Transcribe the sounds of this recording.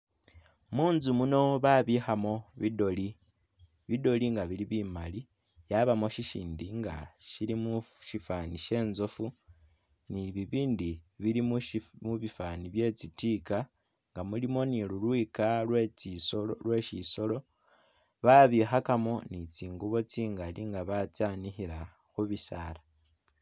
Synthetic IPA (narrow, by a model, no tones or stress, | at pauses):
muːnzumuno̞βaβixamo̞βidoli | βido̞liŋɡaβiɾiβimali | jaβamo̞ʃiʃiːndiŋɡa̰ʃilimuʃifaːniʃe̞ːnzo̞fu | niβiβiːndiβiɾimmuβifaniβje̞t͡sitiːka | ŋɡamulimo̞nilulwikaw | lwe̞ʃiso̞lo̞ | βaβixakamo̞nit͡siːŋɡuβo̞t͡siːŋɡaliŋɡaβat͡sanixiɾa | xuβisala